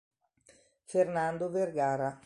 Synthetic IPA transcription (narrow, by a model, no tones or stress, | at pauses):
fernand̪overɡaːɾa